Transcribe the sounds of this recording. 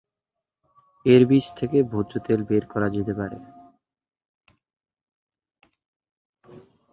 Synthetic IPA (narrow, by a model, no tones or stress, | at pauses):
eɾbiʃt̪ʰekebʱod̪d͡ʑot̪elbeɾkɔɾad͡ʑet̪epaɾḛ